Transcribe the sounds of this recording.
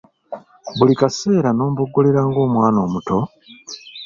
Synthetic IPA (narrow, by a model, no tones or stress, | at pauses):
βulikase̞ːɾano̞ːmboɡoleɾaːŋɡo̞ːmwaːno̞ːmutʰo̞